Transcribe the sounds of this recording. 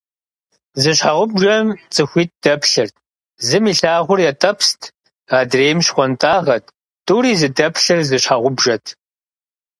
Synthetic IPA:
zɨɕħaʁʷʊbʒɐmt͡sʼɨxʷiːt̚d̥ɐpʰɬɨrt | zɨmiːɬaːʁʷʊrjɛtʼɐpʰstʰ | aːdreːmɕχʷɔntʼaːʁɐtʰ | tʼuːɾiːzɨdɐpʰɬɨrzɨɕħaʁʷʊbʒɐtʰ

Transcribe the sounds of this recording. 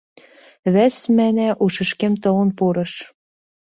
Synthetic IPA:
βæsmænæʔuʃə̆ʃkemt̪ɤ̆lɤ̆npuɾɤ̆ʃ

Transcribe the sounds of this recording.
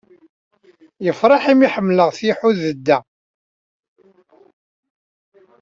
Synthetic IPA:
jəfɾˤɑħimiħəmːləʁθiħuðəd̪ːæ

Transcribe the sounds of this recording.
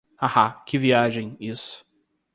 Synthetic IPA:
ahakɪviaʒẽj̃isʊ̥

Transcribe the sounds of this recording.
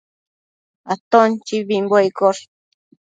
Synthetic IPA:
at̪ont͡ʃiβimbojkoɾ

